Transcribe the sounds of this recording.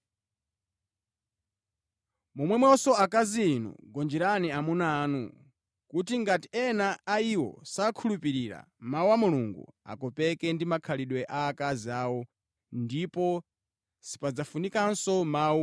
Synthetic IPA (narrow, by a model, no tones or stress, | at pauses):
mumwɛmwɛɔsɔakaziːnṵɡɔnd͡ʒɛɾaniamunaːnṵ | kutiŋɡatiɛnaaiwɔ̰sakʰulupiɾiɾa̰ | mauwamuluŋɡṵa̰kɔpɛkɛndimakʰaliɗwɛʔaːkaziaːwɔ | ndipɔ | si̥pad͡zafunikansɔmau